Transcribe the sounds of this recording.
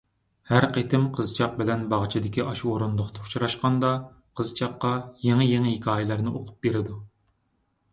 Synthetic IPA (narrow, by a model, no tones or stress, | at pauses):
hæɾqet̪ʰɪmqʰəzt͡ʃʰɑq̚bɪlɛnbɑʁt͡ʃʰid̪ɪkʲiʔɑʃuoɾund̪ʊχt̪ʰɑu̥t͡ʃʰɾɑʃqɑnd̪ɑ | qʰəzt͡ʃʰɑqːɑjeŋɪjeŋɪɦekʲʰɑːjɪlæɾnɪʔoqʰʊ̥p̚beɾɪd̪u